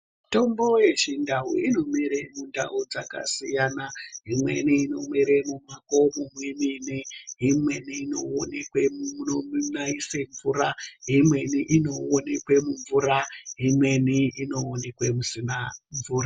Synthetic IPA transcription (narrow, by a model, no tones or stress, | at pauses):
to̞mbo̞je̞ʃindaṵino̞miɾemunda̰ud͡za̰ka̰sijanaɦimwe̞̰niːno̞miɾemumakomumweminiɦimwe̞niːnoonekweunomnaiseɱvuraɦimwe̞niʔino̞onekwemuɱvuɾaɦimwe̞niino̞onekwemusinaɱvuːra